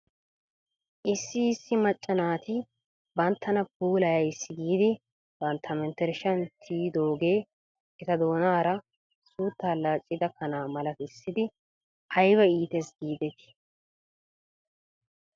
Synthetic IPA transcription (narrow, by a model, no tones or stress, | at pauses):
ʔɪsːɪːsːɪmɐt͡ʃʼːɐnaːt̪ɪ | bɐnt̪ʰːɐnɐp̚uːlɐjɐjsːɪɡiːd̪ɪ | b̥ɐnt̪ʰːɐmɛnt̪ːɛɾɪʃɐnt̪ʰiːd̪oːɡeː | ɛt̪ɐd̪o̞ːnaːɾɐ | suːt̪ːaːlaːt͡ʃʼːɪd̪ɐkʰɐnaːmɐlɐt̪ɪsːɪd̪ɪ | ʔɐjbɐiːt̪ɛsɡiːd̪ɛt̪ɪ̥